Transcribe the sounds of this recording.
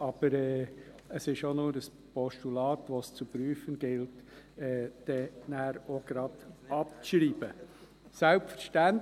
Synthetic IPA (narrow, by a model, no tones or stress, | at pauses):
ɑb̥əɾɛː | əsɪʃonʊːɾəs | pɔʃtulɑːtʋost͡supɾyːfənɡ̥ɪlt | ɛd̥ɛnæːɾoɡ̥ɾɑd̪ɑp̚t͡sʃɾiːb̥ə | sælpfəɾʃtænt